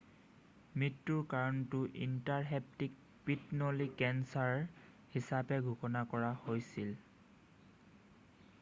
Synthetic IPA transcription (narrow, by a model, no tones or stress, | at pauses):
mɹitːuɹkaɹɔntʊʔḭntaɹɦɛp̚tik̚ | pitnolikɛnsaɹ | hisapɛɡʱukɔnakɔɹahojsil